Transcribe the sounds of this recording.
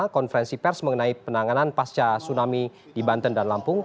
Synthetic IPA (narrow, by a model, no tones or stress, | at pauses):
kɔnfəɾɛnsipɛrsməŋənaipənaŋananpast͡ʃasunami | dibant̪əndanlampʊŋ